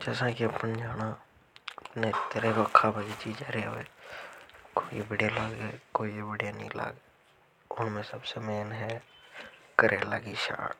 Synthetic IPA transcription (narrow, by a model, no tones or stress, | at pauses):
d͡ʒɛːsãkiɐpənd͡ʒaːna | neɪt̪ːəɾebɐkʰːabad͡ʒit͡ʃiːd͡ʒaːɾeo̰e | koːibɪɖjalaːɡekoːibɪɖijanḭ̃la̰ːɡe | ʊnmẽsəbsemeːnɦɛ | kəɾʔelaːɡiʃa̰ːɽ